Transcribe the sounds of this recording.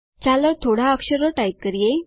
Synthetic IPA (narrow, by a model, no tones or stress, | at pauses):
t͡salət̪ʰoɽ̤aəkɕəɾɔʈaip̚kəɾije